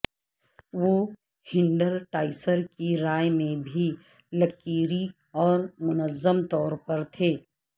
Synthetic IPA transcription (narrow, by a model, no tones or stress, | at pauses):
ʋoː | hɪ̃ɳɖəlʈaːɪsəɾkiɾaːjmẽbʱi | lɐkiːɾi | ɔːɾmʊnəzːəmt̪ɔːɾpɐɾt̪ʰeː